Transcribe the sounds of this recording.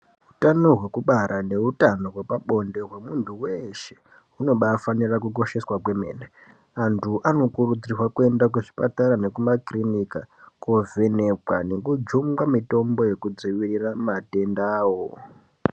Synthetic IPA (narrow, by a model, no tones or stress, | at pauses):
ɦutano̞ɦwe̞kuɓaɾʔane̞utano̞ɦwe̞paɓo̞nde̞ɦwe̞muntʰuweʃe̥ | uno̞ɓafanirakuko̞ʃe̞swakwe̞mḛne | antʰuʔano̞kurud͡zirwakue̞ndakweʐipataɾane̞kumakrinikakovʱe̞ne̞kwane̞kud͡ʒumɡamito̞mbo̞je̞kud͡ziʋiriramate̞ndaːwo